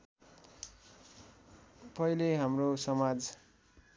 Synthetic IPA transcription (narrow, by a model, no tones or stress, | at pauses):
pʌileɦamrosʌmad͡z